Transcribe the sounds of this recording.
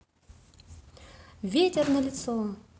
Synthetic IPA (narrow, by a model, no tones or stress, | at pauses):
vʲetʲɛrnɐlʲɪt̪sɔ